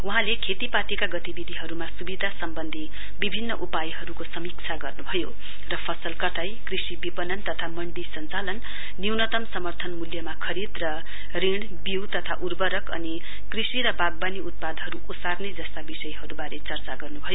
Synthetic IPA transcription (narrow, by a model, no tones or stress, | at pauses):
uɦãlekʰet̪ipat̪ikaɡʌt̪ibid̪ʱiɦʌɾumasubid̪ʱasʌmbʌnd̪ʱi | bibʱinːʌʔupajɦʌɾukosʌmik̚t͡sʰaɡʌrnubʱʌjo | rʌpʰʌsʌlkʌʈ̪ʰajkrisibipʌnʌnt̪ʌt̪ʰamʌɳɖisʌnt͡salʌnː | iwnʌt̪ʌmsʌmʌrt̪ʰʌnmuljʌmakʰʌɾid̪rʌ | riɳ | biwt̪ʌt̪ʰa̰ʔurbʌɾʌkʌ̰ni | krisiɾʌbaɡ̚baniut̪̚pad̪ɦʌɾuʔosarned͡zʌst̪abisʌjɦʌɾubaɾet͡sʌrt͡saɡʌrnubʱʌjo